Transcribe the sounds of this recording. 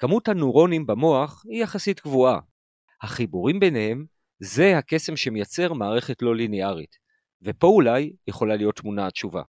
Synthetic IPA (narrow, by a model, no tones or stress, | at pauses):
kamuthanuʁo̞nimbemo̞aχhijaχasitɡvua | haχibuʁimbe̞nehe̞m | ze̞hake̞se̞mʃe̞mejat͡se̞ʁmaːʁe̞χe̞tlo̞lineaʁḭt | vepo̞ulajje̞χo̞lalijo̞t̪ːmunatʃuva̰